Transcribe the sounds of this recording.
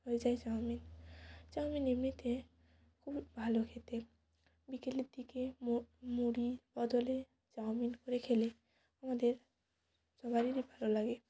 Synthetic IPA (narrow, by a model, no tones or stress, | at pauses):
ɦoed͡ʒaed͡ʒawmind͡ʒawminemnit̪ʰe | kʰubibʱalokʰet̪e | bikeleɾd̪ʱikemuɽib̥ɔd̪ole | d͡ʒawminkoɾekʰele | amad̪eɾ | sɔbaɾiɾibʱalolaɡe